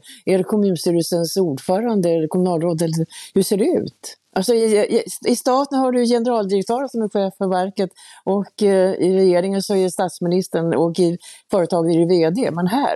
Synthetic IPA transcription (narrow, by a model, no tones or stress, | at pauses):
æɾkʰɔmʉ̟ːnst̪yːɾəsənsuːɖfœːɾand̪əɛkʰɔmɵnɑːlɾoːd̪ɛlːəɾhɵʂseːɖɛʉ̟̰ːt̪ʔalsɔɪɪst̪ɑːt̪ənhaɖɵjɛnəɾɑːld̪ɪɾɛkt̪ʰœːɾənsɔmɛɧeːfəɾvæɾkət̪ɔkɪɾɛjeːɾɪŋənsɔæst̪at̪smɪnɪst̪əɳɔkːɪfœːɾət̪ʰɑːɡənɪɾɪveːd̪ḛːmɛnɦæ̰ː